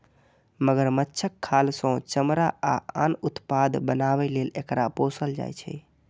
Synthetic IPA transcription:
məɡəɾmətːt͡ʃʰəkʰːalsə̃t͡ʃəmɾaaanut̪pad̪bənaβɛlelekɾaposəld͡ʒa̰jt͡ʃʰɛ

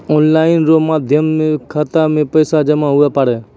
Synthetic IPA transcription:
oːnlaːɪnɾoːmaːd̪ʱjəmːẽkʰat̪aːmẽpəɪsad͡ʒəmãːɦʊaːpaɽeː

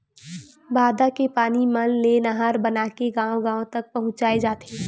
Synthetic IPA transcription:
baːd̪akepaːnimɐnlenɐɦaːɾbɐnaːkeɡãːõɡãːõt̪ɐk̚pɐɦʊ̃t͡ʃaːed͡ʒaːt̪eː

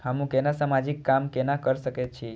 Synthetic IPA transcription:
həmũkɛnasamad͡ʒikːamkɛnakəɾʃəket͡ʃʰi

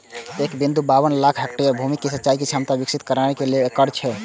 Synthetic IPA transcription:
ekbind̪ubaβənlakʰɦɛkʈijəbʱumikːesətːt͡ʃaikit͡ʃʰamt̪abiksit̪kəɾanekeleːkəɾt͡ʃʰɛ

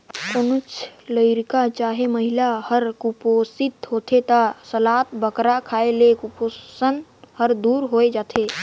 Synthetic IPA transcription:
konʊt͡ʃləɪɾkat͡ʃaːɦeməɦɪlahəɾkuposɪt̪ɦoːt̪ʰet̪asəlaːt̪bəkɾakʰaːelekʊposənhəɾd̪uːɾɦoːed͡ʒaːt̪ʰeː

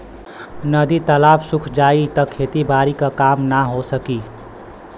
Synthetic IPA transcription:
nəd̪it̪əlaːpsʊkʰd͡ʒaːit̪əkʰːeːt̪ibaːɾikakaːmnaɦosəki

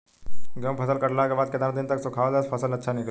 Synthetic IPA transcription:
ɡəmpʰɐsəlkɐɾlakebaːd̪̚ked̪aɾ̃d̪ɪnt̪ɐksʊkʰaːʋadaspʰɐsəlɐtːʃʰanɪkl

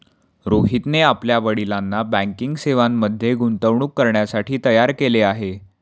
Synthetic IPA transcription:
ɾoɦit̪neapljaʋəɽilanːabæ̃ŋkiŋɡseʋamːəd̪ʱːjeɡunt̪əʋɳ̃uːkːəɾɳjasaʈʰiːt̪əjaɾkeleaɦe

